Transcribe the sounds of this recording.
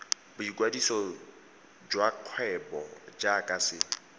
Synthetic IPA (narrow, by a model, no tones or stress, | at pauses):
bʊiɡwadisɔ | d͡ʒwaq͡χʰwɛbɔd͡ʒakʼasɪ